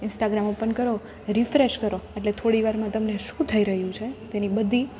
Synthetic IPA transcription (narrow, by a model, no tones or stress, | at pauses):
ɪnsʈaɡɾamopəɳkəɾo | ɾifɾeʃkəɾoeʈlet̪ʰoɽiʋaɾmãt̪əmneʃũt̪ʰəiɾəɦjũt͡ʃʰet̪enibəd̪ʱːi